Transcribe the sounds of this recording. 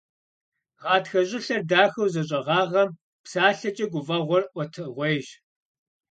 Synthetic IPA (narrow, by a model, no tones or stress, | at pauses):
ʁɑːtxɐʑʼɪɬɐrdaːxɐwzɐɕ̬ʼɐʁɑːʁɐm | psaːɬɐt͡ʃʼɐɡʷʊvɐʁʷɔrʔʷɔtʰɨʁʷejʒ